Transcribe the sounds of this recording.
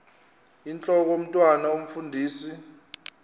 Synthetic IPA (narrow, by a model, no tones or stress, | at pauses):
int͡ɬʼɔk̬om̩tʼwanaom̩fundʱiːsi